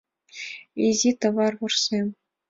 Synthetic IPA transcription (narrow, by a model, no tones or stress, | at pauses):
ezʲet̪ɤ̆vɑrbŭrsʲemʲ